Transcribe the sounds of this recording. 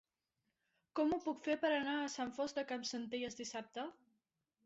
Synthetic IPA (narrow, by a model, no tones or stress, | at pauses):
kɔmupukfepəɾənaəsaɱfozd̪əkəmsənt̪eəzðisap̚t̪ə